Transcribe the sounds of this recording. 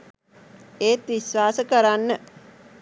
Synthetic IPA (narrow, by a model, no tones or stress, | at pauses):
eːt̪ʋisʋaːsəkəɾanːə